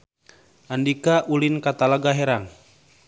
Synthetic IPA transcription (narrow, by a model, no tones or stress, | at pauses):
ʔandikaʔulinkat̪alaɡaɦɛɾaŋ